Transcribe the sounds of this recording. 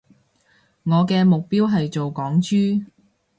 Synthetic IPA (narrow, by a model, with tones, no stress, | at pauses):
ŋɔː˨˧kɛː˧mʊ˨k̚piː˥wɦɐ˨jt͡ʃo˨wkɔː˨˥ŋt͡ʃyː˥